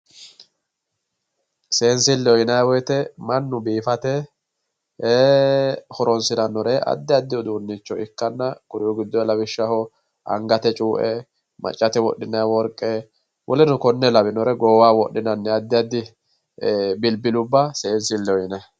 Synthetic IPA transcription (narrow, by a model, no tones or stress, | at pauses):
se̞ːnsɪlːɛɔjɪnaːwɔjt̪ɛmɐnːʊbiːfɐt̪ɛ | hɔɾɔnsɪnɐnːɔɾɛʔɐ̰d̪ːɪɐd̪ːɪɔd̪uːnːɪt͡ʃːɔɪkːɐnːɐkʊɾɪjɔɡɪd̪ːɔjlɐbɪʃːɐhɔ | ɐ̰ŋɡɐt̪ɛt͡ʃʼuːʔɛ | mɐ̰t͡ʃʼːɐt̪ɛwɔ̰ɗːɪnːawɔɾkʼːɛ | wʔɔlɛnʊkɔnːɛlɐbɪnɔɾɛɡoːwaːwɔɗːɪnɐnːɛɐd̪ːɪɐd̪ːɪ | bɪlbɪlʊbːɐse̞ːnsɪlːɛɔjɪnɐ